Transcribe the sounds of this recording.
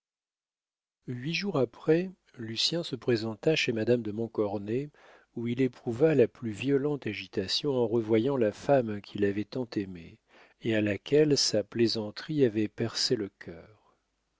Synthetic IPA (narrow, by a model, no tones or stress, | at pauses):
ɥiʒuʁapχɛ | lysjɛ̃səpχezɑ̃t̪aʃemad̪amd̪əmɔ̃kɔʁne | uilepχuvalaplyvjɔlɑ̃t̪aʒit̪asjɔ̃ɑ̃ʁəvwajɑ̃lafamkʲʰilavɛt̪ɑ̃t̪emḛ | ealakʲʰɛlsaplezɑ̃t̪χiavɛpɛʁseləkʲʰœːʁ